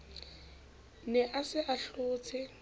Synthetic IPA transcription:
nɛʔasɪʔaɬʊːt͡sʰɪ

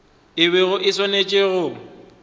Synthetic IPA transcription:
ɪβeɣʊʔɪswanet͡ʃʼeɣʊ

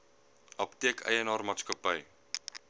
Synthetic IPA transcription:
ʔɐptiəkʰə̰jənɑːrmɑːtskəpəj

